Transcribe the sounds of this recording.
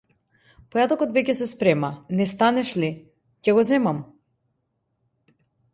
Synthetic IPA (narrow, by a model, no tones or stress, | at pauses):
pɔjad̪ɔkɔt̪vɛcɛsɛspɾɛmanɛst̪anɛʃli | cɛɡɔzɛmam